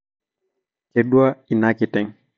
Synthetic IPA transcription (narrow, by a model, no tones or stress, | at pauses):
keɗuwainakitɛŋ